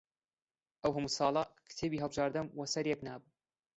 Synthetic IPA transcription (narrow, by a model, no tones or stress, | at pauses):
ʔɐwɦɐmusɑːlˠɑkʰɨ̥t̪ʰeːbiːɦɐlˠbɨʒaːɾd̪ɐmwɐsɐɾjɛknaːbu